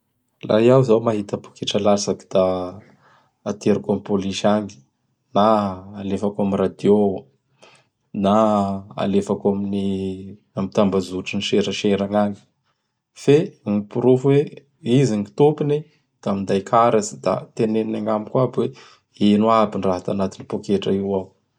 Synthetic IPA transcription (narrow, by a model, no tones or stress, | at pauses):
la̰jawzawmaɦit̪apu̥kiʈ͡ʂalazaki̥d̪̥a | t̪eɾukamipoliʃaŋi̥ | naːlefakamirad̪jo | naa̰lefakamini | amit̪ambazuʈ͡ʂiniʃeɾəʃeɾaŋaŋi̥ | feŋipuɾufwe | iziŋit̪upini | d̪̥amind̪ajkʰaɾazid̪̥a̰t̪eneninaŋamikwabwe | enuabiɳraɦat̪anat̪inipokeʈ͡ʂaiwaw